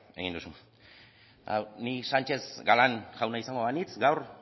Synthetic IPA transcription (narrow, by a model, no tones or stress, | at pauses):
e̞̰ɣind̪usu | a̰wnisant͡ʃe̞zɡalanʝawnaisaŋɡoðanit͡sɡawr